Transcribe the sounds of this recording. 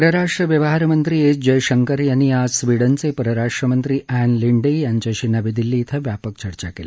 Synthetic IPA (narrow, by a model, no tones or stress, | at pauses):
pɐɾɐɾaːʂʈɾɐʋjɐʋɐɦaːɾɐmɐnt̪ɾied͡ʒɐjʃɐŋkɐɾjɐniaːsʋiɽɐnt͡sepɐɾɐɾaːʂʈɾɐmɐnt̪ɾiʔɛːnliɳɖijaɲt͡ʃaʃinɐʋid̪ilːiːt̪ʰɐʋjaːpɐkt͡ʃɐɾt͡ʃakeːl